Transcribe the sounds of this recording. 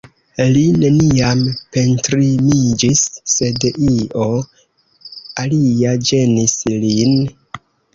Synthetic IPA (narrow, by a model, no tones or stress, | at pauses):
line̞niampe̞ntɾimid͡ʒisːe̞dio̞ | aliad͡ʒe̞nislin